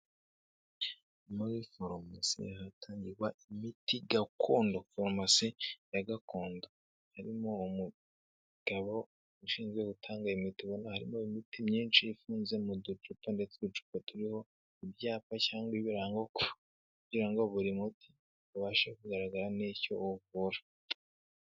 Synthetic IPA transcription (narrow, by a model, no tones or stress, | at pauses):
mowifoɾmasḭhatʰaːɲɟiɾɡwaimitiɡakʰoːndofoɾmasijaɡako̞ːndo | haɾimo̞umu | ɡ̥aβo̞ | uʃiːnzɡweɡutʰaːŋɡaimitiβonahaɾḭmo̞imitimɲiːnʃiifuːnze̞mudud͡ʒuponde̞t͡seβut͡ʃu̥potuɾiho̞ | ibjaːpacaːŋɡwiβiɾaŋɡoku | kuɟiɾaŋɡo̞βuɾimutʰi̥ | βuβaːʃekuɡaɾaɡaɾanico̞ːβuɾa